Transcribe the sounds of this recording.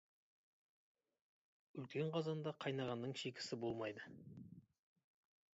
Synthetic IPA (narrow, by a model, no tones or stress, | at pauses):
ʏlkʲe̞ɴqʰɑzɑnd̪ɑqʰɑjnɑʁɑnːəɴʃekʲɪ̥sɪbo̞lˠmɑjd̪ə